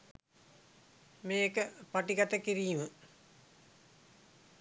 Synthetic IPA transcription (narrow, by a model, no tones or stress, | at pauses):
meːkəpaʈikat̪əkiɾijmə